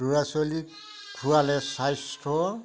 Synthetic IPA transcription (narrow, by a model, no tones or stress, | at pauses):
uɹasoli | kʰuwalɛsajstʰɔ